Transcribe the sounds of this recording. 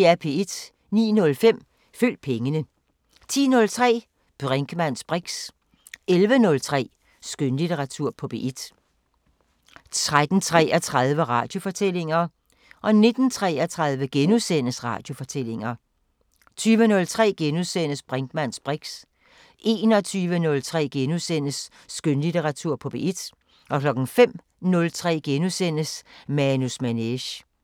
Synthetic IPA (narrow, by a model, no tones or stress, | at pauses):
eæɐpʰe̝ed̥ | nḭːnɔ̽lfem̰ | fyl̰d̥̚pʰeŋənə | t͡sʰḭːnɔ̽lt͡sʰʁɛ̰ː | b̥ʁeŋɡ̥əmæn̰sb̥ʁiɡ̥s | elʋənɔ̽lt͡sʰʁɛ̰ː | sɡ̥ønlit͡sʰeʁɑ̈t͡sʰuɐ̰pʰɒ̽b̥e̝̰ːʔid̥ | t͡sʰʁad̥n̩t͡sʰʁɛ̰ːæt͡sʰʁað̞ˠʋəʁɑ̈ːd̥jo̝fɒ̽t͡sʰel̰e̝ŋɐ | ʔɒ̽ne̝d̥n̩t͡sʰʁɛ̰ːæt͡sʰʁɑ̈ð̞ˠʋəɡ̥enusen̰əsʁɑ̰̈ːd̥jo̝fɒ̽t͡sʰel̰e̝ŋɐ | t͡sʰyːʋənɔ̽lt͡sʰʁɛ̰ːɡ̥enusen̰əsb̥ʁaŋd̥mæn̰sb̥ʁiɡ̥s | ʔe̝ːnɒ̽t͡sʰyːʋənɔ̽lt͡sʰʁɛ̰ːɡ̥enusen̰əsː | ɡ̥ønlit͡seʁɑ̈t͡sʰuɐ̰pʰɒ̽b̥e̝ʔid̥ | ʔɒ̽kʰlɒ̽ɡ̥n̩fem̰ | nɔ̽lt͡sʰʁɛ̰ːɡ̥enusen̰əsmænusmæneɕ